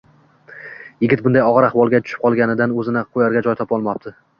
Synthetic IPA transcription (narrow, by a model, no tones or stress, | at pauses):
jɪɡʲɪt̪̚bʊnd̪ajɒʁɨɾahwɒlˠɡʲat̪ʰʊ̥ʃɪ̥p̚qʰɒlˠɡʲanɪd̪anɵzɪnɪqʰojaɾɡʲad͡ʒɒjt̪ʰɒpɒlˠmɒp̚t̪ʰɪ